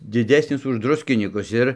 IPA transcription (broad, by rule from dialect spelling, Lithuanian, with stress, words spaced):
dʲɪˈdʲæːsʲnʲɪs ʊʃ ˈdrʊsʲkʲɪnʲiːkʊs ˈɪr